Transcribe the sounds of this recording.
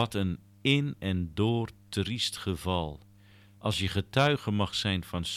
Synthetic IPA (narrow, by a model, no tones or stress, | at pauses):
ɔtən | ɪnɛndʊːrtristχəvɑlˠ | ʔɑlˠsjəχətʰœɥɣəmɑχsɛjnfɔns